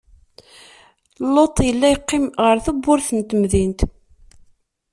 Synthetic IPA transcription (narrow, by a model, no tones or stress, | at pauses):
lːot̪ˤjəlːæjəqːɪmʁəɾθubːʊɾθənt̪əmðint̪